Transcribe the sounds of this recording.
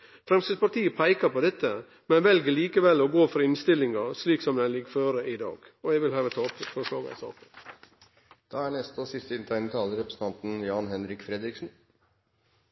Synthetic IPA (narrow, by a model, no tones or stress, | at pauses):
fɾɛmst̪əspɑt̪iːəpʰæɪkɑpɔd̪ɛt̪ːə | mɛnʋɛlɡəɭiːkəʋɛlːɔɡoːfɔɾɪnst̪ɪlːɪŋɑsliːksɔmd̪ɛnlɪkføːɾəʔɪd̪ɑ̰ːɡ | ɔɛɡʋɪlhøːʋət̪ʰɑːɔp̪fɔʂɭɑːɡɑ̰sɑ̰ːkə | d̪̥ɑːæɳɛst̪ɔsɪst̪əɪnt̪ʰæɪnət̪ʰɑːləɾɛpɾəsn̩ʰɑnt̪n̩jɑːnɦɛnɾɪkfɾɛd̪ɾɪksn̩